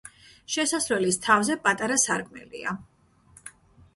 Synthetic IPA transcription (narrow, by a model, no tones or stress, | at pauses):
ʃɛsasɾɛlist̪ʰavzɛpʼat̪ʼaɾasaɾkʼmɛ̰lḭa̰